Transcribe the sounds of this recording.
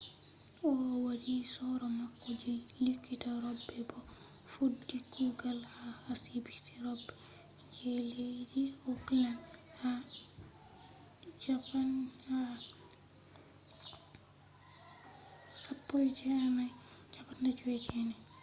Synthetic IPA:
ɔwaɾisɔɾɔmakːɔd͡ʒilikːitaɾɔbːɛbɔ | fudːikuɡalhaasibitiɾɔbːɛ | d͡ʒɛlejdiɔpilan | ha | d͡ʒapana | sapːɔjd͡ʒɛmajd͡ʒapandad͡ʒwɛt͡ʃɛnɛ

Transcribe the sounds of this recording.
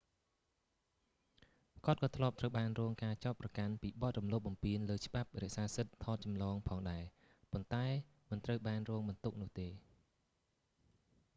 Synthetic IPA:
kŏət̪̚kɑːt̪ʰlŭəp̚t̪rəwɓaːnrɔːŋkaːt͡ɕaɔt̪̚prɑkanpiːɓɑt̪̚rumloːp̚ɓɑmpiənləːt͡ɕə̆ɓap̚rɛ̆əʔsaːsɨt̪ʰːɑːt̪̚t͡ɕɑmlɑːŋpʰɑːŋɗaɛ | pont̪aɛ | mɨnt̪rəwɓaːnrɔːŋɓɑnt̪uk̚nʊ̆əht̪eː

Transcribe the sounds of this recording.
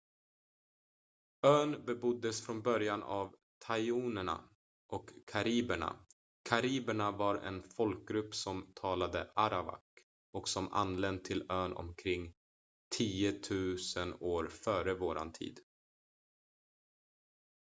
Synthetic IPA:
øːnbɛbʊd̪ːəsfɾɔnbœɾjanav | t̪ʰajuːnəɳa̰ | ʔɔkʰːaɾiːbəɳa̰ | kʰaɾiːbəɳavaɾɛ̰nfɔlk̚ɡɾɵpːsɔmt̪ʰɑːlad̪əʔaɾaba̰k | ɔksɔma̰nːlɛnd̪̚t̪ʰːɪløːnɔ̰mkʰɾɪŋː | t̪ʰiːʊt̪ʰʉ̟ːsənoːɾfœːɾəvoːɾa̰nt̪ʰḭːd̪

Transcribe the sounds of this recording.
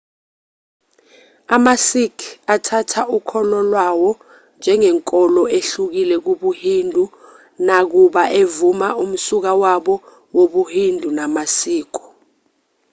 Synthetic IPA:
amasikʰatʰatʰaʔukʰɔlɔlwawɔ | nd͡ʒʱɛŋɛŋkʼɔlɔeɬuk̬ilɛk̬uɓuhindʱu | nak̬uɓaʔevumaum̩suk̬awaɓɔ | woɓuhindʱunamasiːk̬ʰɔ̥

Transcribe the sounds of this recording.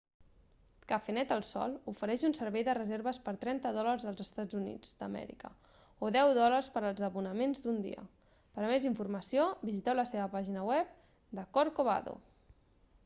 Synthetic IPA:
kəfenɛt̪əlˠsɔ̰lˠufəɾɛʃunsəɾβɛjðərəzeɾβəspəɾt̪ɾɛnt̪əðɔlərzðəlˠzəst̪ad͡zunḭd͡zd̪ə̰mɛ̰ɾḭkə̰ | oðɛwðɔlərspəɾəlˠzəβunəmenzd̪und̪ḭə̰ | pəɾmeziɱfurməsiobizit̪ɛwləseβəpaʒinəwɛp̚ | d̪əkoɾkoβa̰ðo̰

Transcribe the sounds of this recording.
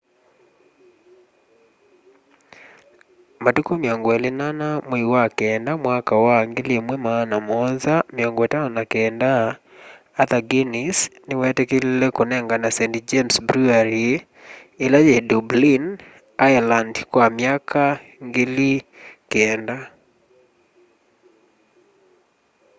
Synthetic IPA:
matukomiɔŋɡɔelenanameiwakɛːndamwakawaŋɡelemwɛmanamɔnzameɔŋɡɔetanɔnakɛːndaː | ðaɡenisnewɛtɛkellɛkonɛŋɡanasɛntd͡ʒɛmsbɾuaɾi | elajɛdublin | ajalandkwamjakʰaŋɡelikɛnda

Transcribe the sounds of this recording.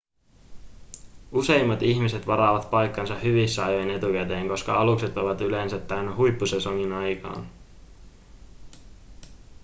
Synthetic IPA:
use̞jmːɑt̪içmise̞t̪ʋɑɾɑːʋɑt̪pɑjkːɑnsɑhyʋisːɑjojne̞t̪ukæt̪eːŋko̞skɑɑlukse̞t̪oʋɑt̪yle̞nsæt̪ːænɦujpːusesoŋinɑjkɑ̰ːn

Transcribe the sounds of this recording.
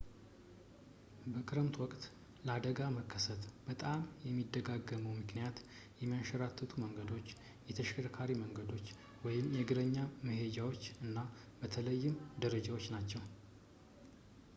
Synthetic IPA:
bəkʰʼɨɾɨmt̪ʰwɔkʼt̪ | ləad̪əɡaməkʰːəsət̪b̥ət̪ʼamjɛmːid̪ːəɡaɡːəməwmɨknijat̪ | jɛmːijaʃəɾat̪ʰːət̪ʰuməŋɡəd̪o̞t͡ʃː | jɛt̪ʰəʃkʰəɾkʰaɾiməŋɡəd̪o̞t͡ʃː | wɔjɪmjɛɡɨɾəɲːaməhe̞d͡ʒawot͡ʃːɨnːa | bət̪ʰələjːɪmd̪əɾəd͡ʒawo̞t͡ʃːnat͡ʃːɛw

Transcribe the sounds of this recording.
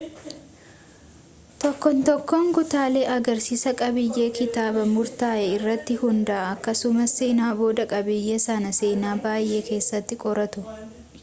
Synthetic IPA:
t̪ɔkːɔnt̪ɔkːoːŋɡʊt̪aːle̞ːʔɐɡɐɾsiːsɐkʼɐbɪjːe̞ːkɪt̪aːbɐmʊɾt̪aːʔɛɪrːɐt̪ːɪhʊnd̪ɐʔːkːɐsʊmɐsːeːnaːbo̞ːd̪ɐkʼɐbɪjːeːsɐnɐse̞ːnaːbaːjʔe̞ːke̞ːsːɐt̪ːɪkʼɔɾɐt̪ʊ

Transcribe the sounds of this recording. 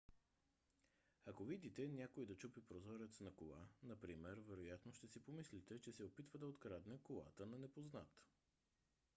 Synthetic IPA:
ɐkovid̪it̪ɛnʲjakoid̪ɐt͡ʃupipɾozɔɾɛt̪snɐkolˠa̰nɐpɾimɛɾvɛɾojat̪noʃt̪ɛsipomislit̪ɛt͡ʃɛsɛopit̪vəd̪ɐot̪kɾad̪nɛkolˠa̰t̪ənɐnɛpozna̰t̪

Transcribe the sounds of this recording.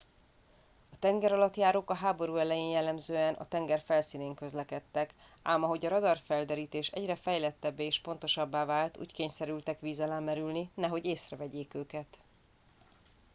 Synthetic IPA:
ɒt̪ɛŋɡɛɾɒlɒt̪jaːɾoːkɒɦaːbo̞ɾuːɛlɛjeːnjɛlːɛmzøːɛnʔɒ̰t̪ɛŋɡɛrfɛlsiːneːŋkø̞zlɛkɛt̪ːɛk | aːmɒɦo̞ɟɒɾɒd̪ɒrfɛld̪ɛɾiːt̪eːʃɛ̰ɟrɛfɛjlɛt̪ːɛbːeeːʃpo̞nt̪o̞ʃɒbːaːvaːlt̪ṵːckeːɲsɛɾylt̪ɛkʋiːzɛlaːmɛɾylninɛɦo̞ɟeːsrɛvɛɟeːkøːkɛt̪

